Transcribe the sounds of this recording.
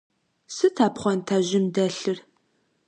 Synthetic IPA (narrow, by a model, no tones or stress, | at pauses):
sɨtʰaːpχʷɔntʰaːʑɪmdɐɬɨr